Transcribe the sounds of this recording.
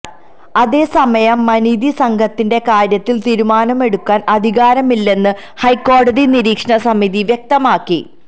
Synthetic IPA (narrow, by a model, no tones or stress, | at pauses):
ɐðe̞ːsɐmɐjɐmːɐniðisɐŋɡʱɐt̪ːinde̞kaːɾjɐt̪ːilt̪iːɾumaːnɐme̞ɽukːaːnɐd̪ʱiɣaːɾɐmilːe̞nːɨ | hɐjkːo̞ːɽɐðiniɾiːkʂɐɳɐsɐmiðiʋjek̚t̪ɐmaːkːi